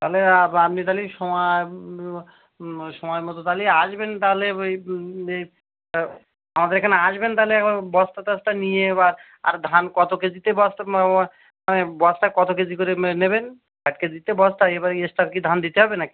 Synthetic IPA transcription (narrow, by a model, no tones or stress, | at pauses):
t̪aɦleaamnit̪aliʃɔmɔe | ʃɔmɔjmɔt̪ot̪aliaʃbent̪aɦle | e | amad̪eɾekʰaneaʃbent̪aleɛkabɔst̪at̪asʈanijebaɾ | a̰ɾd̪ʱankɔt̪oked͡ʑit̪ebɔst̪a | manebɔsʈakɔt̪oked͡ʑikoɾeneben | baʈ̚ked͡ʒit̪ebɔst̪aebaɾeesʈaɾkid̪ʱand̪it̪eɦɔbenaki̥